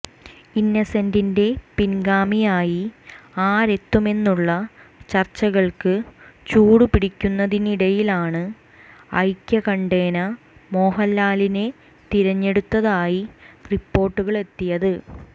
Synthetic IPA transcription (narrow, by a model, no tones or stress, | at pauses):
inːɐsɐndinde̞pinɡaːmijaːjiaːɾe̞t̪ːume̞nːuɭːɐt͡ɕɐrt͡ɕːɐɣɐɭkɨt͡ɕuːɽupiɽikʲːunːɐðiniɽɐjilaːɳɨ | ɐ̰jkʲːɐkɐɳɖe̞ːnɐ | mo̞ːɦɐlːaːline̞ | t̪iɾɐɲːe̞ɽut̪ːɐðaːjiripːo̞ːrʈːuɣɐɭe̞t̪ːijɐðɨ